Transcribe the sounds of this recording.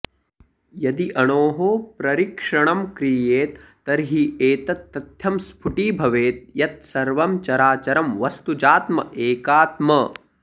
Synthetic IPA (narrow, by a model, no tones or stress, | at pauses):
jɐd̪iʔɐɳoːɦoːpɾɐɾikʂɐɳɐmkɾijeːt̪ːɐɾɦieːt̪ɐt̪ːɐt̪jɐmspʰuʈiːbʱɐʋeːt̪̚jɐt̪̚sɐɾʋɐmt͡ʃɐɾaːt͡ʃɐɾɐmʋɐst̪ud͡ʒaːt̪mɐʔeːkaːt̪mɐ